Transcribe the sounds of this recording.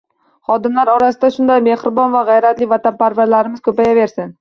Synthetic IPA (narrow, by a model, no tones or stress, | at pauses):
χɒd̪ɪmlaɾɒɾasɪd̪aʃʊnd̪ajme̞χɾɪbɒnvaʁɑjɾat̪lɪvat̪ʰanpaɾvaɾlaɾɪmɪz̥kʰɵpajave̞ɾsɪn